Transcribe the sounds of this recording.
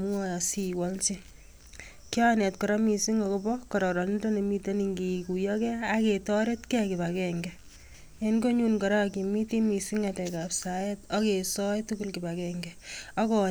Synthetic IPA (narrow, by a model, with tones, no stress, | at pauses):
mu˦ɔ˦ja˨siwɔ˦lt͡ʃi | ki˦anɛ˨t̚kɔɾɔ˦mi˨si˦ŋɔkobɔkɔɾɔ˨ɾɔ˨ni˦done˨mite˦niŋɡi˨ku˨jɔkɛaketɔɾe˦tkɛ˦kɪba˨kɛŋɡɛ | enko˦ɲunkɔ˨ɾa˦ki˨mi˦ti˦mi˨siŋatɛ˨kapsajetɔ˦kesɔ˦jtuku˦lkiba˨kɛŋɡɛɔkɔ˨